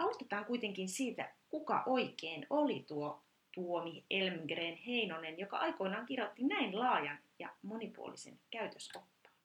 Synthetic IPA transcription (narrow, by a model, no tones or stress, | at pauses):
ɑut̪et̪ɑːŋkuit̪eŋkinsiːt̪æ̰kukɑ̰ʔoikeːnolit̪uo | t̪uomielmɡreːnheinonenjokɑ̰ʔɑikoinɑːŋkirjot̪ːinæinlɑːjɑnjɑ̰monipṵo̰lḭsḛnkæyt̪øspopːɑ̥ː